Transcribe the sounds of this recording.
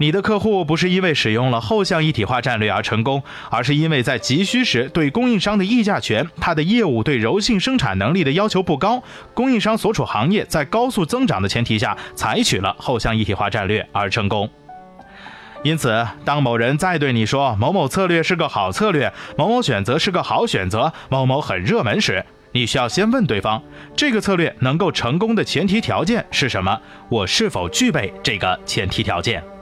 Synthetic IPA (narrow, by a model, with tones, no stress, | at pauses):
ni˨˩d̪ə˦kʰɤ˥˧xu˥˩p̬u˧˥ʂ̬ɻ̩˥˧i˥nwe˥˩ɪʂɻ̩˨˩jʊ˥˩ŋlə˩xo˥˧ʊɕjɑ˥˧ŋi˥˩t̪ʰi˨˩xwa˥˧ʈ͡ʂa˥˧nlɥɛ˥˩ə˞˧˥ʈ͡ʂʰɤ˧˥ŋkʊ˥ŋ | ə˞˧˥ʂ̬ɻ̩˥˩i˥nwe˥˧ɪt͡sa˥˩ɪt͡ɕi˧˥ɕy˥ʂɻ̩˧˥t̪we˥˩ɪkʊ˥ŋi˥˩ŋʂɑ˥ŋd̪ə˨i˥˧t͡ɕja˥˩t͡ɕʰɥɛ˧˥nt̪ʰa˥d̪ə˧˨jɛ˥˧u˥˩t̪we˥˩ɪɻo˧˥ʊɕi˥˩ŋʂɤ˥ŋʈ͡ʂʰa̰˨˩nɤ˧˥ŋli˥˩d̪ə˩jɑ˥ʊ̯t͡ɕʰo˧˥pu˥˩kɑ˥ʊ | kʊ˥ŋi˥˩ŋʂɑ˥ŋswɔ˧˥ʈ͡ʂʰu˨˩xɑ˧˥ŋjɛ˥˩t͡sa˥˩ɪkɑ˥ʊsu˥˩t͡sɤ˥ŋʈ͡ʂɑ̰˨˩ŋd̪ə˦t͡ɕʰjɛ˧˥nt̪ʰi˨˩ɕ̬ja̰˥˩t͡sʰa˧˥ɪt͡ɕʰy˨˩lə̰˦xo˥˧ʊɕjɑ˥˧ŋi˥˩t̪ʰi˨˩xwa̰˥˧ʈ͡ʂa˥˧nlɥɛ˥˩ə˞˧˥ʈ͡ʂʰɤ˧˥ŋkʊ˥ŋ | i˥nt͡sʰɹ̩˨˩t̪ɑ˥ŋmo˨˩ʊɻə˧˥nt͡sa˥˧ɪt̪we˥˩ɪni˨˩ʂwɔ˥m˧˥ʊmo˧˩ʊt͡sʰɤ˥˧lɥɛ˥˧ʂɻ̩˥˩ɡə˩xɑ˨˩ʊt͡sʰɤ˥˧lɥɛ˥˩mo˧˥ʊmo˧˥ʊɕɥɛ˨˩nt͡sɤ˧˥ʂɻ̩˥˩ɡə˩xɑ˧˥ʊɕɥɛ̰˨˩nt͡sɤ˧˥ | mo˧˥ʊmo˧˥ʊxə˨˩nɻɤ˥˩mə˧˥nʂɻ̩˧˥ | ni˨˩ɕy˥jɑ˥˩ʊɕjɛ˥nwə˥˧nt̪we˥˩ɪfɑ˥ŋ | ʈ͡ʂɤ˥˩ɡə˩t͡sʰɤ˥˧lɥɛ˥˩nɤ˧˥ŋko˥˩ʊʈ͡ʂʰɤ˧˥ŋk̬ʊ˥ŋd̪ə˨t͡ɕʰjɛ˧˥nt̪ʰi˧˥t̪ʰjɑ˧˥ʊt͡ɕjɛ˥˧nʂɻ̩˥˩ʂə˧˥nmə˧ | wɔ˨˩ʂɻ̩˥˩fo˨˩ʊt͡ɕy˥˧pe˥˧ɪʈ͡ʂɤ˥˩ɡə˩t͡ɕʰjɛ˧˥nt̪ʰi˧˥t̪ʰjɑ˧˥ʊt͡ɕjɛ̰˥˩n